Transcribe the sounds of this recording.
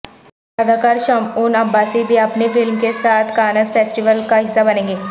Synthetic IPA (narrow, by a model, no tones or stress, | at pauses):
jaːd̪akaːɾʃaːmuːnɐbːaːsibʱiɐpnefɪlmkesaːt̪ʰkaːnəzfeːsʈɪʋəlkaɦɪsːabɐnẽːŋɡeː